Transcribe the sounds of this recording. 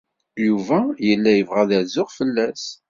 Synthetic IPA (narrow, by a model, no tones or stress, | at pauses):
juvæjəlːæjəvʁæðæzʊʁfəlːæs